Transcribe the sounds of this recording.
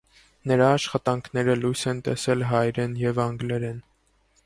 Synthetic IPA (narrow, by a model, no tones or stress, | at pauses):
nəɾɑːʃχɑt̪ɑŋkʰnɛɾəlujsɛnt̪ɛsɛlɦɑjɾɛnjɛvɑŋɡlɛɾɛn